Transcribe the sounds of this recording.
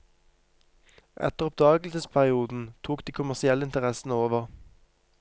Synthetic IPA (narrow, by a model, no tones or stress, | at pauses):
ʔɛ̰t̪əʁɔp̚d̪ɑːɡl̩səspʰæʁɪuːd̪n̩t̪ʰuːkd̪iːkʰʊmæʁsɪɛləɪnt̪əʁɛsn̩əoːʋəʁ